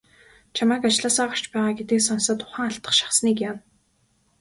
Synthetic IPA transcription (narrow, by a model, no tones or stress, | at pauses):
t͡ɕʰamæːkat͡ɕɮaːsaːʁə̆r̥t͡ɕpæːʁaːɡet̪eːksɔnsaːt̪ʰʊ̥χæːŋaɬt̪ə̆χʃḁχsniːkjan